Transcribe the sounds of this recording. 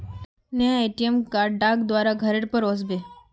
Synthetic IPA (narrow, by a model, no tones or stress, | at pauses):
neaeʈiemkaɖaɡd̪ʋaɾaɡʱəɾeɽpəɾosbe